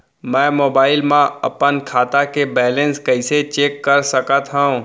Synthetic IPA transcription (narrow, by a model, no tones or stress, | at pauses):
mɛ̃ːmoːbaːɪlmãɐpənkʰaːt̪akebɛːlẽnskɐɪset͡ʃeːkːəɾsəkət̪ɦãũ